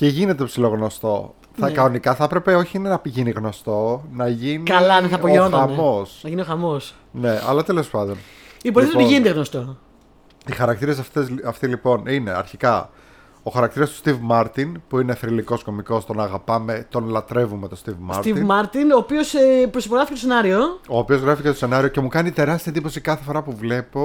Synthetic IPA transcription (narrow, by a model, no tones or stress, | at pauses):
ceʝine̞t̪e̞psilo̞ɣno̞st̪o̞ | θɐkɐonikɐθɐpɾe̞pe̞o̞çiine̞nɐpiʝiniɣno̞st̪o̞nɐʝiniɐlɐnɐθɐoʝoɐmo̞snɐʝinioxɐmos | ne̞ɐ̰lɐt̪e̞le̞spɐnd̪o̞n | iboɾet̪iʝinend̪eɣnost̪o | ixɐɾɐk̚t̪iɾe̞s̬ɐft̪ezɐft̪ilipo̞nine̞ɐ̰ɾçikɐ | o̞xɐɾɐkt̪iɾɐst̪u̥st̪ivmɐɾt̪inpuine̞θɾiliko̞sko̞miko̞st̪o̞nɐːɣɐpɐme̞t̪o̞nlɐt̪ɾe̞vume̞t̪o̞st̪ivmɐsɾt̪ivimɐɾt̪inoːpiospɾosipoɣɾɐficet̪senɐɾiooːpio̞zɣɾɐficet̪ose̞nɐɾioce̞mukɐnit̪e̞ɾɐst̪iɐed̪ipo̞sikɐθe̞fo̞ɾɐpuvle̞po̞